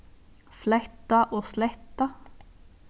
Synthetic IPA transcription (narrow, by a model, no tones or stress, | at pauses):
flɛt̪ɑʔoːslɛt̪ɑ